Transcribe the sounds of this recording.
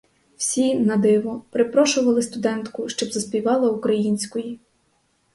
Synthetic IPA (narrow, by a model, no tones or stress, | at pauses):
w̥sʲinɐd̪ɪʋɔpɾɪpɾɔʃʊʋɐlˠɪst̪ʊd̪ɛnt̪kʊʃt͡ʃɔbzɐsʲpʲiʋɑlˠɐukɾɐjinʲsʲkɔji